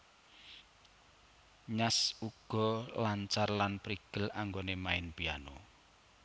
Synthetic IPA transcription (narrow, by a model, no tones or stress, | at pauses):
ɲasuɡ̥ɔ̤laɲt͡ʃarlanpɾiɡ̥əlaŋɡonemaɪnpijano̰